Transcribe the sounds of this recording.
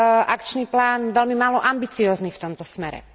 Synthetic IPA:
ʔakt͡ʃniːplaːnʋɛlmimaːlɔʔambit͡siɔːzniːft̪ɔmt̪ɔsmɛɾɛ̰

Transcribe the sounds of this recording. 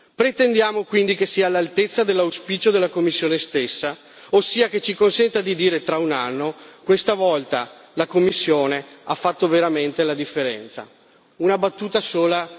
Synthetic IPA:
pɾet̪end̪jaːmokwind̪ikesiːalalt̪et̪sːad̪elːauspiːt͡ʃod̪elːakomːisːjoːnest̪esːa | osːiːaket͡ʃikonsɛnt̪ad̪id̪iːɾet̪ɾaunanːokwest̪avɔlt̪alakomːisːjoːneafːat̪ːoveɾament̪elad̪ifːeɾɛ̰nt̪sa̰ | unabat̪ːuːt̪asoːla

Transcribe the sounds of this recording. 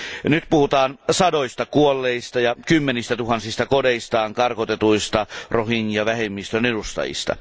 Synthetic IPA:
nyt̪puhut̪ɑːnsɑdoist̪ɑkuolːeist̪ɑjɑkymːenist̪æt̪uhɑnsist̪ɑkodeist̪ɑːŋkɑrkot̪et̪uist̪ɑrohinjɑʋæhemːist̪ønedust̪ɑ̰jḭst̪ɑ̰

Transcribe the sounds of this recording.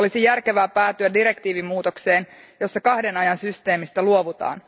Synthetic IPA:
olisijærke̞ʋæːpæːt̪yædiɾe̞kt̪iːʋimːuːt̪o̞kse̞ːnjo̞sːɑkɑhde̞nɑjɑnsyst̪e̞ːmist̪ɑluo̞ʋut̪ɑ̰ːn

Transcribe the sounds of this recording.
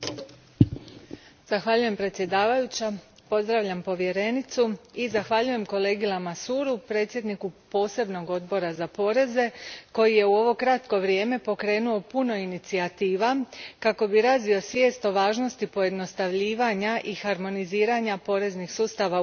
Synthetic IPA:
z̥axʋaʎuje̞mpɾet̪sʲje̞d̪aːʋajut͡ɕa | po̞zd̪ɾaʋʎampo̞ʋje̞ɾe̞nit̪suizaxʋaʎuje̞mko̞le̞ːɡilˠamasuːɾupɾe̞ːt̪sje̞d̪nikupo̞ːse̞bno̞ɡo̞d̪bo̞ɾazapo̞ɾe̞ze̞ko̞jije̞uo̞ʋo̞kɾat̪ko̞ʋɾje̞ːme̞po̞kɾe̞ːnuo̞puno̞init̪siat̪iːʋakako̞biɾaːzʋio̞sʋje̞ːst̪o̞ʋaːʒno̞st̪ipo̞je̞d̪no̞st̪aʋʎiːʋaɲaʔixaɾmo̞niziːɾaɲapo̞ɾe̞znixsuːst̪aʋa

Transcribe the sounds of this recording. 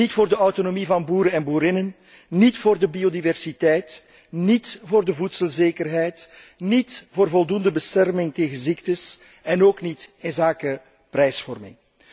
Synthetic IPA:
nitfoːrdəɔwtonomivɑnbuːɾənɛnbuːɾɪnən | nitfoːrdəbiodivɛrsitɛjt | nitvoːrdəvutsəlˠzeːkərɦɛjt | nitvoːrvɔlˠdundəbəstɛrmɪŋteːɣənziktəs | ɛnoːknitɪnzaːkə | pɾɛjsfɔrmɪ̰ŋ

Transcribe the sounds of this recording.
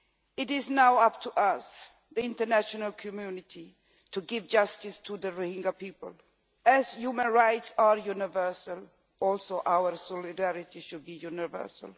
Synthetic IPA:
ɪtɪznaʊʌp̚tʰuʔas | ðiɪ̃ntənæʃɔnəlkʰɔmjunɪtʰi | tuɡɪvd͡ʒʌstɪstʰuðəɹuhɪ̃ŋɡapipəl | æzjumə̃nɹaɪtsaɹjunɪvɜ˞səl | ɔlsoʔaʊəɹsɔlɪdæɹɪtiʃʊd̚bijunɪvɜ̰˞sə̰lˠ

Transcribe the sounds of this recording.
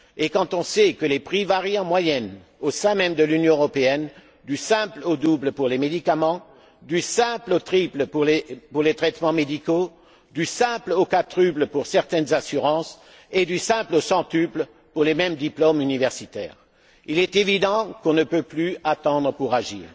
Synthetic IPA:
ekɑ̃t̪ɔ̃sɛkəlepχivaʁjiɑ̃mwajɛn | osɛ̃mɛmd̪əlynjɔ̃əʁɔpeɛn | d̪ysɛ̃plod̪ubləpuʁlemed̪ikamɑ̃ | d̪ysɛ̃plot̪χipləpuʁlepuʁlet̪χɛt̪mɑ̃med̪iko | d̪ysɛ̃plokat̪χybləpuʁsɛʁt̪ɛnzasyʁɑ̃s | ɛd̪ysɛ̃plosɑ̃t̪ypl | puʁlemɛmd̪iplomynivɛʁsit̪ɛ̰ːʁ | ilɛt̪evid̪ɑ̃kɔ̃nəpøplyat̪ɑ̃d̪ʁəpuʁaʒḭːʁ

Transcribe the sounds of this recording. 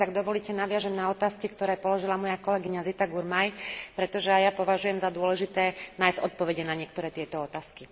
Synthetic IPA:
t̪aɡ̚d̪ɔʋɔliːcɛnaʋɪaʒɛmnaɔt̪aːskikt̪ɔɾɛːpɔlɔʒilamɔjakɔlɛɡiɲazit̪aɡuɾmajpɾɛt̪ɔʒɛajapɔʋaʒujɛmzad̪ʊɔlɛʒit̪ɛːnaːjzɟɔt̪̚pɔʋɛɟɛnaɲɪɛk̚t̪ɔɾɛːt̪ɪɛt̪ɔɔt̪aːski

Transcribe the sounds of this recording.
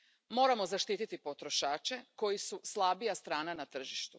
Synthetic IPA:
mo̞ːɾamo̞zaʃt̪iːt̪it̪ipo̞t̪ɾo̞ʃaːt͡ʃe̞ko̞jisuslˠabijast̪ɾaːnanat̪r̩ʒiʃt̪u

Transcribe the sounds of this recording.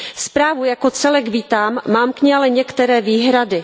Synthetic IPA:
spɾaːvujakot͡sɛlɛkviːt̪aːmːaːmkɲialɛɲɛkt̪ɛɾɛːviːɦɾadɪ

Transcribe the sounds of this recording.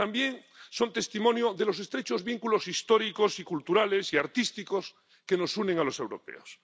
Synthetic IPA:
t̪ambje̞ŋso̞nt̪e̞st̪imõnjoðelo̞s̬e̞st̪ɾet͡ʃo̞zβiŋkulo̞sist̪oɾikosikult̪uɾale̞siaɾt̪ist̪ikos | ke̞no̞suneŋalo̞se̞wɾo̞̰pḛos

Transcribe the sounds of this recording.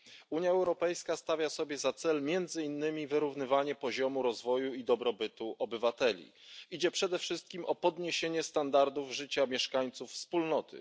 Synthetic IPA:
uɲjaɛwɾɔpɛjskast̪avʲjasɔbʲjɛzat̪sɛlmʲjɛnd̪zɘinːɘmʲivɘɾuvnɘvaɲɛpɔʑɔmuɾɔzvɔjuid̪ɔbɾɔbɘt̪uʔɔbɘvat̪ɛlʲḭ | id͡ʑɛpʂɛd̪ɛfʂɘst̪̚kʲimɔpɔd̪ɲeɕeɲɛst̪and̪aɾd̪uvʐɘt͡ɕamʲjɛʂkaɲt̪sufːspulnɔt̪ʰɘ̰

